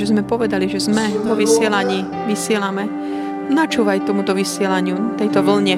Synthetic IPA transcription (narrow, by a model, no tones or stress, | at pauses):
ɛzmɛpɔʋɛd̪aliʒɛzmɛʋɔʋisɪɛlaɲiː | ʋisɪɛlamɛ | nat͡ʃuːʋajt̪ɔmut̪ɔʋisɪɛlaɲɪut̪ɛjt̪ɔʋl̩ɲɛ